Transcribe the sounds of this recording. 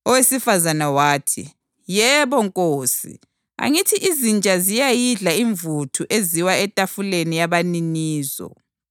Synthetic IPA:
ɔwesifazanawaːtʰḭ | jɛβɔŋkʼoːsḭ | a̰ŋitʰiʔizint͡ʃʼazijajiɮaiɱvutʰuʔeziwaɛtʼafulenijaβaniniːzɔ̰

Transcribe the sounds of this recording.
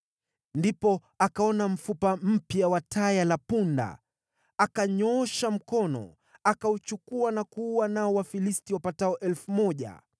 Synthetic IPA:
ndipɔ | akaɔnam̩fupam̩pjawatʰajalapunda̰ | akaɲɔɔʃam̩kɔnɔ̰ | akaut͡ʃukuanakuwanaɔwafilistiwapataɔʔɛlfumɔʄa̰

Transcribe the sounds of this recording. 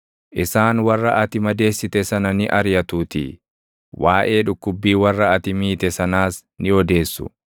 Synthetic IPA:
ʔɪsaːnwɐrːɐʔɐt̪ɪmɐd̪e̞ːsːɪt̪ɛsɐnɐnɪʔɐɾjɐt̪uːt̪ḭ | waːʔe̞ːᶑʊkːʊbːiːwɐrːɐɐt̪ɪmiːt̪ɛsɐnaːs | nɪɔd̪e̞ːsːʊ̰

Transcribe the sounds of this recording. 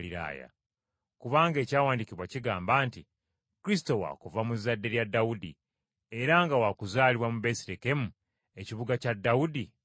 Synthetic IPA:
liɾa̰ːja̰ | kuβaːŋɡe̞ːcaːwaːndiciβwaciɡaːmbaːnti | kɾis̬ito̞wa̰kuvamuzadːe̞ɾjadːawudḭ | e̞ɾaŋɡawakuzaːliβwamubesiɾeke̞mu | e̞ciβuɡacadːawudi

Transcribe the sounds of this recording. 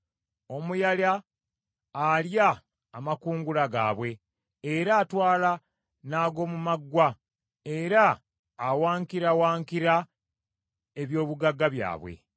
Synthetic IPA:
o̞mujaljaː | ljaː | makuːŋɡulaɡa̰ːβwe̞ː | ɾaːtwaːla | naːɡo̞ːmumaɡwa | eɾaː | waːŋkiɾawaːŋkiɾa | eβjo̞ːβuɡaɡːaβja̰ːβwḛ

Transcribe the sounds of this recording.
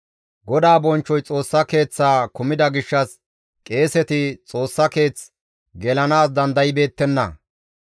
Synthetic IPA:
ɡɔd̪aːbɔnt͡ʃːɔjt͡sʼo̞ːsːɐke̞ːt͡sːaːkʊmɪd̪ɐɡɪʃːɐs | kʼe̞ːsɛt̪ɪt͡sʼo̞ːsːɐke̞ːt͡s | ɡɛlɐnaːs̬d̪ɐnd̪ɐjɪbe̞ːt̪ːɛnːɐ̰

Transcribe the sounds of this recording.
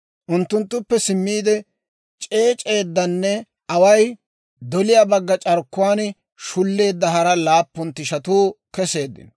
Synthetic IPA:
ʔʊnt̪ːʊnt̪ːʊpːɛsɪmːiːd̪ɛ | t͡ʃʼe̞ːt͡ʃʼe̞ːd̪ːɐnːɛ | ʔɐwɐj | d̪ɔlɪjaːbɐɡːɐt͡ʃʼɐɾkːʊwaːn | ʃʊlːe̞ːd̪ːɐɦɐɾɐlaːpːʊnt̪ːɪʃɐt̪uːkɛse̞ːd̪ːɪ̰n

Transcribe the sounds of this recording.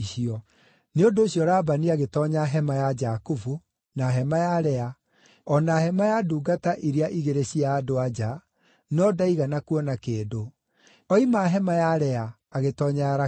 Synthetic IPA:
iɕiɔ | neodoːɕjɔɾaːbaniaɣetɔɲaɦɛmajad͡ʒakofu | naɦɛmajaɾɛa | ɔnahɛmajaduːɡataʔiɾeaʔiɣeɾeɕiaːdoad͡ʒa | nɔdaiɣanakuɔnakeːdo | ɔimaɦɛmajaɾɛaː | ɣetɔɲaɾa

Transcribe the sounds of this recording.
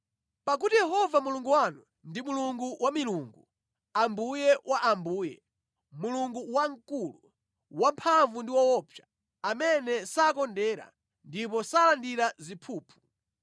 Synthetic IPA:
pak̬utijɛhɔvamuluŋɡuwanu | ndimuluŋɡuwamiluŋɡu | ambujɛwʔaʔambuːjɛ̰ | muluŋɡuwaŋkulu | wampʰaɱvundiwɔwɔpʰja | amɛnɛsakɔndɛːɾa̰ | ndipɔsalandiɾazipʰuːpʰu̥

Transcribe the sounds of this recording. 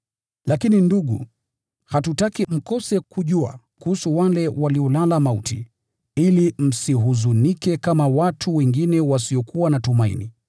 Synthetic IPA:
lakininduɠṵ | hatutakim̩kɔsɛkʰuʄua̰ | kuhusuwalɛwaliɔlalamautḭ | ilim̩siɦuzunikɛkamawatʰuwɛŋɡinɛwasiɔkuwanatumaḭni

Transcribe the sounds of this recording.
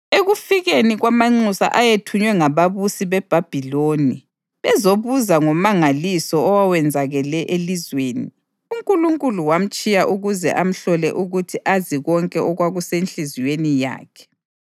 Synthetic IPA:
eɣufiɣeniɣwamaŋ͡ǀusa̰ʔajetʰuɲwɛŋaβaβusiβɛb̥ʱab̥ʱiloːni | βɛzoβuzaŋɔmaŋalisɔːwawɛnd͡zʱaɣɛlɛʔelizweːni | uŋkʼuluŋkʼuluwam̩t͡ʃʼijaʔuɣuzɛ̰ʔam̩ɬɔlɛ̰ʔuɣutʰiʔaziɣɔŋkʼɛʔɔɣwaɣusenɬizijwenija̰ːkʰɛ̥

